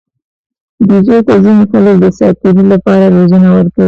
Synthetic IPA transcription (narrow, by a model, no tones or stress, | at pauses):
d̪izot̪azinoxalkd̪əsɑt̪̚k̪iɾilapɑɾaɾozunawəɾkawi